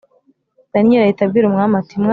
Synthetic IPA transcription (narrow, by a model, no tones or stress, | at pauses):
d̥anieɾajitabɡiɾumŋamatimŋa